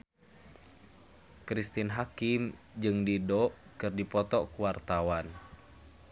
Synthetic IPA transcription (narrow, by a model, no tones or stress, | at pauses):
kɾist̪inɦakim | d͡ʒɨŋdidɔʔkɨrdipɔt̪ɔkuwart̪awan